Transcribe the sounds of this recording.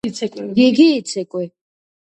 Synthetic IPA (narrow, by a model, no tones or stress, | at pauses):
kʼɡiɡiːt̪sʰɛkʼwi